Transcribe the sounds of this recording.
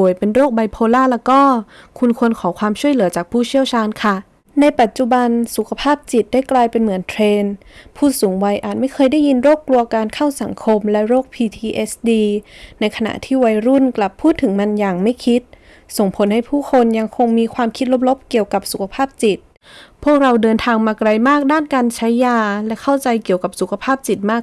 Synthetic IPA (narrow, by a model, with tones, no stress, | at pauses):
u˩˦əjpe˧nɾoː˥˩k̚ba˧jpʰoː˧laː˥˩lɛː˦˥kɔː˥˩ | kʰu˧nkʰu˧ənkʰɔː˩˦kʰwaː˧mt͡ɕʰu˥˩əjlɯ˩˦t͡ɕaː˨˩k̚pʰuː˥˩t͡ɕʰi˥˩əwt͡ɕʰaː˧nkʰa˥˩ | na˧jpa˨˩t̪̚t͡ɕu˨˧˩ba˧nsu˨˩kʰa˧pʰaː˥˩p̚t͡ɕi˨˩t̪̚da˥˩jklaː˧jpe˧nmɯ˨˩˦ənt̪ʰɾeː˧npʰuː˥˩suː˩˦ŋwa˧jʔaː˨˩t̪̚ma˥˩jkʰɤː˧jda˥˩ji˧nɾoː˥˩kːlu˧ɐkaː˧nkʰa˥˩wsa˨˩˦ŋkʰo˧mlɛ˦˥ɾoː˥˩k̚pʰiː˧t̪ʰiː˧ʔe˦˥sdiː˧na˧jkʰa˧na̰˧˩ʔt̪ʰiː˥˩wa˧jɾu˥˩nkla˨˩pʰːuː˥˩t̪ʰːɯ˩˦ŋma˧njaː˨˩ŋma˥˩jkʰi˦˥t̪̚ | so˨˩ŋpʰo˩˦nha˥˩jpʰuː˥˩kʰo˧nja˧ŋkʰo˧ŋmiː˧kʰwaː˧mkʰi˦˥t̪̚lo˦˥p̚lo˦˥p̚ki˨˩əwka˨˩p̚su˨˩kʰa˧pʰaː˥˩p̚t͡ɕi˨˩t̪̚ | pʰu˥˩ək̚ɾa˧wdɤː˧nt̪ʰaː˧ŋmaː˧kɾa˧jmaː˥˩k̚daː˥˩˨nka˧nt͡ɕʰa˦˥jːaː˧˩lɛ˦˥kʰa˥˩wt͡ɕa˧jki˨˩əwka˨˩p̚su˨˩kʰa˧pʰaː˥˩p̚t͡ɕi˨˩t̪̚maː˥˩k̚